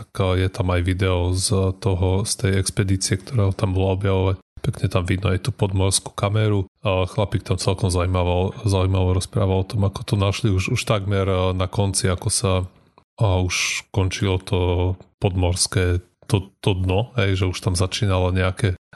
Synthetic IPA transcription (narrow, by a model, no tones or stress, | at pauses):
t̪akjɛt̪amajʋid̪ɛɔzt̪ɔɦɔst̪ɛjɛkspɛd̪iːt͡siɛkt̪ɔɾɛːɦɔt̪ambɔlaɔbjaʋɔʋacpɛkɲɛt̪amʋid̪nɔajt̪upɔd̪mɔɾsku̥kamɛɾuxlapiːk̚t̪amt͡sɛlkɔmzaujmaʋalzaujmaʋɔɾɔspɾa̰ːʋalɔt̪ɔmakɔ̥t̪ɔnaʃliuʃuʃt̪aɡmɛɾnakɔnt͡siakɔsa | uʃkɔnt͡ʃilɔt̪ʰɔpɔd̪mɔɾskɛː | t̪ɔt̪ɔd̪nɔɦɛjʒɛuʃt̪amzat͡ʃiːnalɔɲɛakɛ